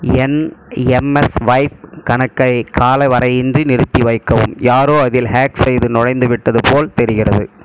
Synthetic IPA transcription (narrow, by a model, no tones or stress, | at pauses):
ɛnɛmɛsʋɐɪfkɐɳɐkːɐɪkʰaːlɐɪʋɐɾɐɪɪndrinɪɾɯt̪ːiʋɐɪkːɐʋɯ̰mjaːɾoːɐðɪlhaːksɛjðɯnɔɻɐɪnd̪ɯʋɪʈːɐðɯpoːlt̪ɛɾɪɣɪrɐðɯ